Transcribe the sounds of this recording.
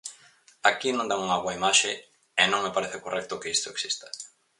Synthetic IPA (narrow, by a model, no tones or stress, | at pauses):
akinõnd̪aŋuŋaɣwɐimaʃe | enõŋmepaɾeθekorʔɛk̚t̪ʊkeist̪oeksist̪ḁ